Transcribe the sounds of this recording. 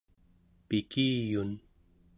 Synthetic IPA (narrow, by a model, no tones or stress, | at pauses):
pɪkiːjʊn